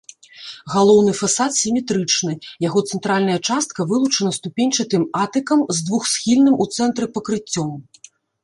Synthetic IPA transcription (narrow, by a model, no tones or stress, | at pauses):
ɣalˠɔwnɨfasat̪sʲimʲɛt̪ɾɨt͡ʂnɨjaɣɔt̪sɛnt̪ɾalʲnɐjɐt͡ʂast̪̚kɐvɨlˠut͡ʂɐnɐst̪upʲenʲt͡ʂɐt̪ɨmat̪ɨkɐmzd̪vuxsʲxʲilʲnɨmʔut̪sɛnt̪ɾɨpɐkɾɨt͡sʲːɔm